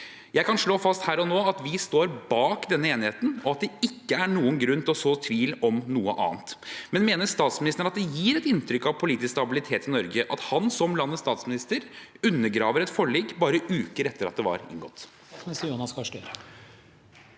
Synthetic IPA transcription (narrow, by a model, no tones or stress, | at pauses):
jæɪkɑnʂɭoːfɑst̪hæːɾɔnoːɑt̪ʋɪst̪oːɾbɑːkd̪ɛnːəeːnɪheːt̪n̩ɔɑt̪̚d̪ɛɪkːəæɳuːənɡɾʉnːt̪ʰɪɔsoːt̪ʰʋiːlɔmnuːəʔɑ̰ːnt̪mɛnmeːnəst̪ɑːt̪smɪnɪst̪ənɾɑt̪d̪ɛjiːɾɛt̪ɪnt̪ɾʏkːɑʋpʰʊliːt̪ɪsst̪ɑbɪlɪt̪ʰeːt̪ɪnɔɾɡəʔɑt̪hɑnsɔmlɑnːəst̪ɑːt̪smɪnɪst̪əɾʉnːəɾɡɾɑːʋəɾɛt̪fɔɭɛːɡːbɑːɾəʔʉːkəɾɛt̪ːəɾɑ̰t̪̚d̪ɛʋɑ̰ɾɪ̰ŋɡɔt̪ː | ɪst̪əɾjuːnɑskʰɑʂʈœ